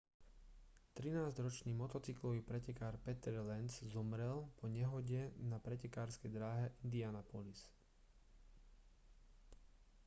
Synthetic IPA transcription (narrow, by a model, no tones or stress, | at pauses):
t̪ɾinaːzɟɾɔt͡ʃniːmɔt̪ɔt͡siklɔʋiːpɾɛcɛkaːɾpɛt̪ɛɾlɛnzzɔmɾɛlpʰɔɲɛɦɔɟɛnapɾɛcɛkaːɾskɛjd̪ɾaːɦɛʔind̪ianapɔlis